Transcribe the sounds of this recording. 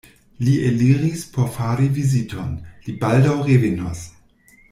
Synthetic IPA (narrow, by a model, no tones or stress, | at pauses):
liʔeliʁispʰoɾfaːɾivizitʰo̰nlibaldawʁeveno̰s